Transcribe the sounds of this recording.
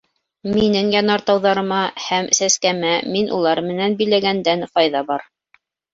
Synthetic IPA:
minɘŋjɑnɑɾt̪ɑwðɑɾɤ̆mɑhæmsæskæmæminʔṵlˠɑɾmɘ̆nænbɘ̆jlæɡænd̪ænqɑjðɑbɑɾ

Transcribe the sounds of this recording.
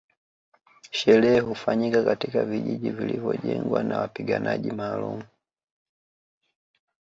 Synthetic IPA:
ʃɛlɛɛhufaɲikakatikaviʄiʄivilivjɔʄɛŋɡwanawapiɡanaʄimaːlumu

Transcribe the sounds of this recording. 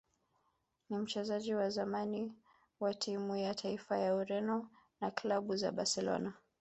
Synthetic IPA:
nim̩t͡ʃɛzaʄiwazamani | watʰimujatʰaifajauɾɛnɔ | naklaɓuza̰ɓasɛlɔ̰na

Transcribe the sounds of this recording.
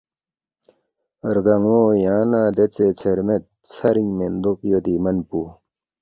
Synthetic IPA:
əɾɡaŋwojãnad̪et͡set͡sʰeɾmet̪̚ | t͡sʰaɾiŋmend̪ok̚jod̪imənpu

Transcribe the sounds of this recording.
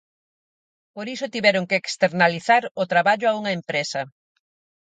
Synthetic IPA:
poɾisʊt̪iβɛɾʊŋkeːkst̪eɾnaliθaɾʊt̪ɾaβaʎʊauŋɐempɾesɐ

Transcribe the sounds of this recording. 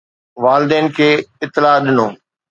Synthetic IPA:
ʋaːlɪd̪ɛːnkʰeːɪt̪ːɪlaːɗɪnoː

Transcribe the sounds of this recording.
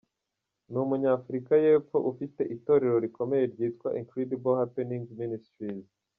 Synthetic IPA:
numuɲaːfuɾikaje̞ːfo̞̰ʔufite̞ʔito̞ɾe̞ɾo̞ɾikʰo̞me̞je̞ɾɟiːtkwaʔiŋkɾidibolhapenĩŋministɾiz

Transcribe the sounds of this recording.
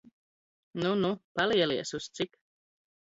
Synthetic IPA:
nunupaliɛliɛsust̪sik

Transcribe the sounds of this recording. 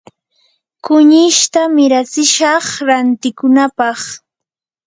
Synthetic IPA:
kʊɲɪʃt̪amɪɾat͡sɪʃɑχɾant̪ɪkʊnapɑχ

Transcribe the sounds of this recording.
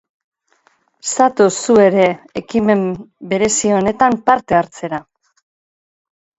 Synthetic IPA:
sat̪usue̞ɾe̞ːkime̞mbe̞ɾe̞sio̞ne̞t̪ampaɾt̪e̞aɾt͡se̞ɾa

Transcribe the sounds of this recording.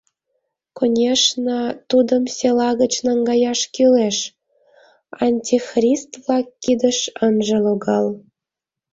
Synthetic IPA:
konʲeʃnə̆t̪ud̪əmsʲelɑɣə̆t͡ɕnɑŋɡɑjɑʃkyleʃ | ɑnʲtʲixrʲist̪vlɑkːid̪əʃənʒɤ̆loɡɑlˠ

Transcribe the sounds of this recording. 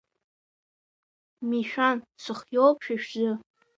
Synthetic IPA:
miʃᶣansʷʰɨχjowpʰʂᶣiʃᶣzɨ

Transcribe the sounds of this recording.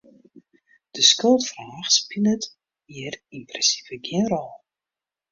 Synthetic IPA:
d̥əskølˠtfraːxspilət | iərimprɛsi̥vəɡɪnrɔlˠ

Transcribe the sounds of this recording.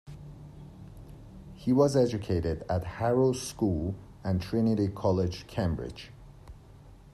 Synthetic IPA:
hiwʌzɛd͡ʒɨkʰeɪɾɪdæt̚hæɹolskuːl | æ̃ntʰɹ̥ɪnɪɾikʰɒlɪd͡ʒkʰẽmbɹɪ̰̥d͡ʒ

